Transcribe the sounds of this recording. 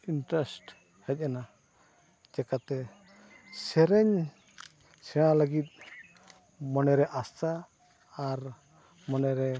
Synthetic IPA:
inʈɾɛsʈ | hɛc̚ˀɛna | d͡ʒɛkat̪ɛ | sɛɾɛɲ | sɛɽ̃aləɡit̪̚ | mɔnɛɾɛʔastaː | ɾ | mɔnɛɾɛ

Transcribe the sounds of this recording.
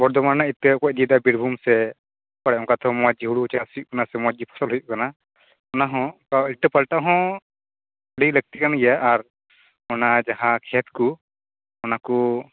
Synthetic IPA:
bɔɾd̪ɔmaɾnait̪ːekɔc̚d̪id̪abiɾbʱumsɛ | paɽɛɔ̃ŋkat̪ɦɔ̃mɔad͡ʒiɦuɽut͡ʃasijuʔkanasɛmɔd͡ʒipʰɔ̥sɔlɦujuʔkana | ɔnaɦɔ̃kawilʈəpalʈaɦɔ̃ | əɽiləɡ̚t̪ikanaɡɛjaʔːɾ | ɔnad͡ʒaɦãkʰɛt̪̚ku | ɔnaku

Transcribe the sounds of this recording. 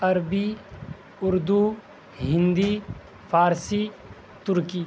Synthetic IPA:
ɐɾbi | ʊɾd̪u | ɦɪ̃nd̪i | fʰaːɾsi | t̪ʊɾkiː

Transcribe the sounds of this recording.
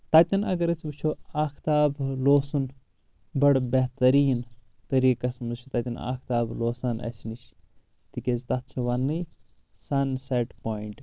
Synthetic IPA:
t̪ɐt̪ʲɐnɐ̰ɡɐɾɐt͡sʰʲbɨt͡ʃʰoaːkʰt̪aːbloːsun | bɐɽbeɦt̪ɐɾiːn | t̪ɐɾiːkɐsmɨt͡ʃʰut̪ɐt̪ʲɐna̰ːkʰt̪aːbloːsɐnʔɐ̰sniʃ | t̪ikʲezt̪ɐt̪̚t͡ʃʰiʋɐnːɨj | sɐnseʈpoːiɳʈ

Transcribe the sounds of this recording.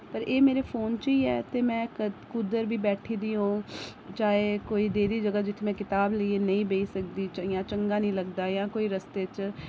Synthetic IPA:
pəɾeːmeːɾeːpʰoːnt͡ʃiːɛːt̪eːmɛ̃ːkʊd̪əɾbʱiːbɛːʈʰiːd̪iːɦõː | t͡ʃaːɦeːkoːiːd̪eːd̪iːd͡ʒəɡad͡ʒɪt̪ʰmɛ̃ːkɪt̪aːbləieːnə̃ĩːbeisək̚d̪iːt͡ʃjãːt͡ʃəŋɡaːnĩːləɡd̪aːjãːkoːiːɾəst̪eːt͡ʃ

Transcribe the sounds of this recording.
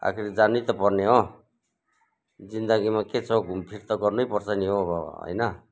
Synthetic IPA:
a̰kʰiɾid͡zanut̪ʌpʌrneɦo | d͡zind̪ʌɡimaket͡sʰʌɡʱumpʰiɾt̪ʌɡʌrnujpʌrt͡sʰʌniɦoʌɦʌ̰jnʌ

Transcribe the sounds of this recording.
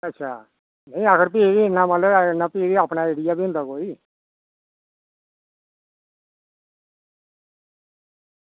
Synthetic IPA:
ətːʃʰa̰ː | nə̃ĩəkʰəɾp̬iːɡiɪnːãmaləɪnaːpiːɾiaːpnaːeːɽijaːbiʊ̃nd̪aːkoːiː

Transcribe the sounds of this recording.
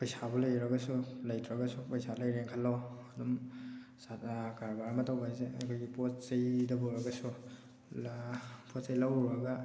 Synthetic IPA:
pɐjsabɔlɐjɾɐɡɐsulajtʰɾaɡɐsupɐjsalɐjɾeŋkʰalːoɐdum | sakaɾbaɾmɐtʰawbajzeɐ̰kʰojɡipot̚sɐjdɐbɔɾɐɡɐsu | pʰosajlawɾɐɡa

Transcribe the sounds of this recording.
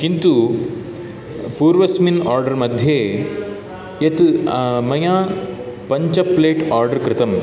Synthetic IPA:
kint̪u | puːɾʋɐsminaːɾɖɐɾmɐd̪ʱjeː | jɐt̪mɐjaː | pɐɲt͡ʃɐpleːʈaːɾɖɐɾkɾɪt̪ɐm

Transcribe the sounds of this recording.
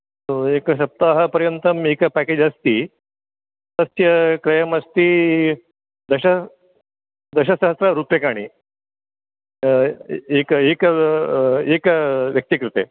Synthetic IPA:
soekɐɕ̬ɐp̚t̪aɦɐpɐɾjɐnt̪ɐmekɐpæked͡ʒɐst̪iː | t̪ɐsjɐkɾɐjɐmɐst̪iː | d̪ɐɕɐ | d̪ɐɕɐsɐɦɐsɾɐɾupjɐkaːɽ̃ḭ | ekekɐ | ekɐʋjɐk̚t̪ikɾut̪e

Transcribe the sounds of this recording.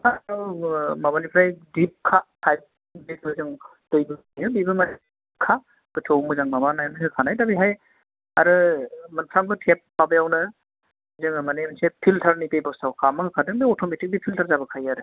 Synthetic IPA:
aɾɔmabanipʰɾajdip̚kʰatʰajp̚ | bis̚mɯzɯŋ | d̥ojbɯ | jɯbibɯman | kʰa | ɡ̥ɯtʰowmɯzaŋmabanajnɦɯkʰanajdabiɦaj | a̰ɾɯmanpʰɾaŋbɯtʰep̚ːmabɯjawnɯ | ɯzɯŋɯmanemnsepʰiltʰaɾnipebɔsawkʰamɯhɯkʰadɯŋbɯɔtʰometik̚dipʰiltʰaɾzabɯkʰajaɾɯ

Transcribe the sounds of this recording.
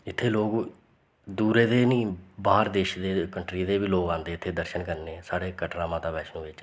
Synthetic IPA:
ɪt̪ʰːeːloːɡ | d̪uːɾeːd̪eːnĩːbaːɾd̪eːʃd̪eːkəɳʈɾiːd̪eːʋiːloːɡãːnd̪eːt̪ʰːeːd̪əɾʃənkəɾneːsaːɽeːkəʈɾaːmãːt̪aːbɛːʃnũːʋɪt͡ʃ

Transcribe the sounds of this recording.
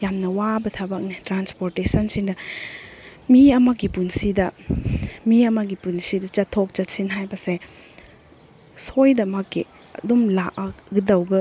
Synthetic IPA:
jamnɐwabɐtʰɐbɐk̚nitɾanspoɾtesɐnsiŋdɐ | miɐmɐɡipunsidɐ | miɐmɐɡipunsidɐt͡ʃɐtʰːok̚t͡ʃɐtsinɦajbɐse | sojdɐmɐkːi | ɐ̰dumlaʔ̚ɐɡidɐwbɐ

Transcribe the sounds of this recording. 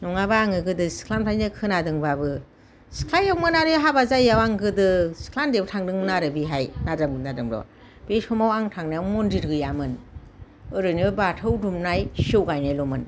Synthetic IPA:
nɔŋabaːŋɯɡɯdɯsi̥kʰlanpʰajnɯkʰɯnadɯŋbabɯ | si̥kʰlajawmɯnaɾɯɦabazajawaŋɡɯdɯsi̥kʰlandebɯtʰaŋdɯŋnaɾɯbiɦajnadamɡɯnadɯmɾɔ̰ | b̥esumawaŋtʰaŋnaamɔndiɾɡɯjamɯn | ɯɾɯnibatʰɯwdumnajsɯwɡajnajlɔmɯn

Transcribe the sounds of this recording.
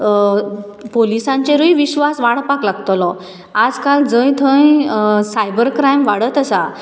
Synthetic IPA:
polisãɲt͡ɕeɾujiʋiɕʋasʋaɽ̃paklaɡt̪lɔ | ad͡zkald͡zə̃jt̪ʰə̃jsajbəɾkɾajmʋaɽət̪əsa

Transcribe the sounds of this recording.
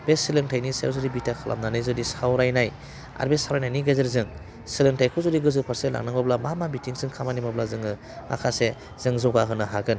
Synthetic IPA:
b̥esilɯŋtʰajnisḛzɔdibitakʰalʔa̰mnanɯjzɔdisawɾajnaj | a̰ɾbesawɾajnajniɡazeɾzɯŋ | silɯŋtʰajkʰɯzɔdiɡɯzɯpʰaɾsela̰ŋnaŋbablamamabitʰiŋsɯŋkʰamanimablazɯŋɯ | ma̰kʰase | z̥ɯŋzɔɡaɦɯnɯɦaɡɯn

